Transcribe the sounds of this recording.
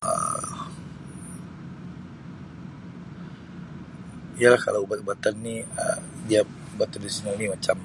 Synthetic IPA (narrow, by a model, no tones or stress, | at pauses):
ə̰ | ialahka̰labat̪̚ubat̪anːiə̰dia | ubat̪disonalnimat͡ʃam